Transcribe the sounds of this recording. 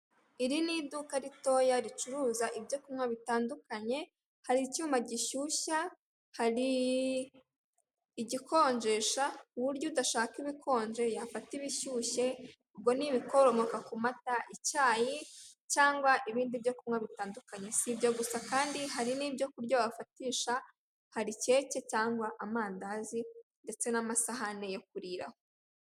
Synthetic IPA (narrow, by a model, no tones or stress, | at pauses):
iɾinidukaɾito̞jaɾit͡ʃuɾuːzaʔibjo̞kumŋaβitaːndukaɲe̞ | haɾicumaɟiʃuːʃa | haɾi | ɟiko̞ːɲd͡ʒe̞ʃauβuɾɟodaʃaːkiβikʰo̞ːɲd͡ʒe̞jafatiβiʃuːʃe̞ | ub̚ɡo̞niβiko̞ɾomokakumataʔicaːjicaːŋɡwaʔiβiːndibjo̞kumŋaβitaːndukaɲe̞sibjo̞ɡusakaːndiɦaɾiniːbjo̞kuɾɟoβafatiːʃa | haɾice̞ːce̞caːŋɡwaʔamaːndazinde̞t͡se̞namasaɦane̞jo̞k̚uɾiːɾa̰ho